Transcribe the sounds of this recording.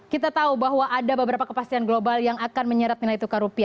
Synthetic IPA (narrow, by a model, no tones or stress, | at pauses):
kit̪at̪aubaɦwaʔadabəbəɾapakəpast̪ianɡlobaljaŋakanməɲəɾat̪̚nilait̪ukaɾupia